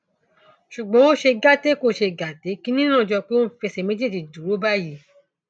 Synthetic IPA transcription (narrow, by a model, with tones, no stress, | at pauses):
ʃu˨ɡ͡bɔ̃˨˦wo˦ʃe˧ɡa˦te˦ko˦˨ʃe˧ɡa˨te˨˦kĩ˦nĩ˦nã˦˨d͡ʒɔ˧k͡pe˦wõ˦˨fe˧sɛ˧˨me˦d͡ʒe˦di˨du˨ɾo˨˦ba˦˨ji˨˦